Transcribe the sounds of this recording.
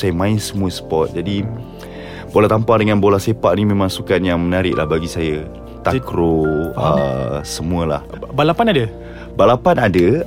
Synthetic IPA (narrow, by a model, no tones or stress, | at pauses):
sajəmãɪnsəmũəsə̥pɔt̪̚d͡ʒadi | bolaht̪ampadəŋanbolahsepaʔnimẽmãŋsukanjaŋmənaɾɪʔlahbaɡisaja | t̪akɾoə̰səmũəla̰hbalapanadə | balapanadə